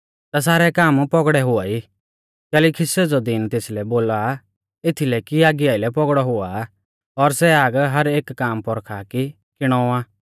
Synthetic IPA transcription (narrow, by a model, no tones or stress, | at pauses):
t̪as̬aːɾɛkaːmpɔɡɽɛɦʊai | kɛːlikʰɪsɛd͡zɔd̪ɪnt̪eːslɛboːla | ɪt̪ʰilɛkiaːɡɪjaːilɛpɔɡɽɔɦʊa | ɔɾsɛaːɡɦɐɾeːkːaːmpɔɾkʰaki | kɪɽ̃ɔaː